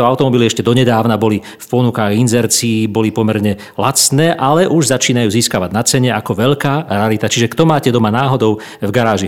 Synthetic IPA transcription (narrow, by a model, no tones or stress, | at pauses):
ɔaʊt̪ɔmɔbiliɛʃcɛd̪ɔɲɛd̪aːʊnabɔli | fpɔnukaːɣinzɛɾt͡siːbɔlipɔmɛɾɲɛ | lat͡snɛːʔalɛʔuʒzat͡ʃiːnajuːziːskaʋaɟnat͡sɛɲɛakɔʋɛʎkaːɾɛalit̪at͡ʃiʒɛkt̪ɔmaːcɛd̪ɔmanaːɦɔd̪ɔʊ | vɡaɾaːʒi